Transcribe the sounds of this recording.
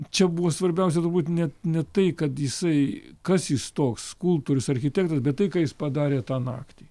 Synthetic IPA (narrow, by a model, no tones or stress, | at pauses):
t͡ʃʲɛbuʋoːsʋɐɾʲbʲɛʊs̬ʲɛt̪ʊɾbuːt̪ʲnʲɛnʲɛt̪ɐɪkɐt̪jɪsɐɪkɐsjɪst̪oːkskulˠp̚t̪uːɾʲʊsɐɾʲxʲɪt̪ʲæːk̚t̪ɐsbʲɛt̪t̪ɐɪkɑːjɪspɐd̪ɑːɾʲeːt̪ɑːnɑ̰ːkt̪ʲiː